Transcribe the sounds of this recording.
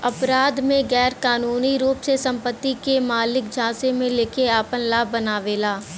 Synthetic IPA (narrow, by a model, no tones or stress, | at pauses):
ɐpɾaːd̪mẽɣɛːɾkaːnuːniɾuːpsesɐ̃mpət̪ːikemaːlɪk̚d͡ʒʱãːsemẽleːkeaːpənlaːbːənaːʋeːlaː